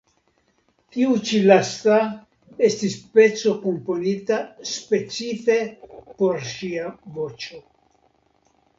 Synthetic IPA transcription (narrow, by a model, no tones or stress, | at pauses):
tiut͡ʃilasta | e̞stispe̞t͡so̞ko̞mpo̞nitaspe̞t͡sife̞po̞ɾʃiavo̞t͡ʃo̞